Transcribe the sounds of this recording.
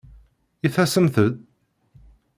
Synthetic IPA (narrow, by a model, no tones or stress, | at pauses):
iθæsəmθəð